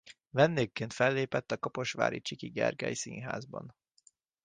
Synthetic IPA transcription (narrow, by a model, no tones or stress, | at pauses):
vɛnːeːkːeːnt̪fɛlːeːpɛt̪ːɒkɒpo̞ʃʋa̰ːɾit͡ʃikiɡɛ̰rɡɛ̰jisḭːnɦa̰ːzbɒ̰n